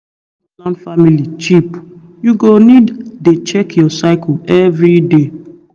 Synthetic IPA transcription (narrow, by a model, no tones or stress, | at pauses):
lãnfamilit͡ʃip | juɡoniddet͡ʃɛkjɔsaɪkɛvɾide